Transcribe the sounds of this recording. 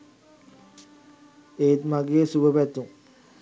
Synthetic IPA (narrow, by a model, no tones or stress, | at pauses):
eːt̪maɡesubəpæt̪ːuŋ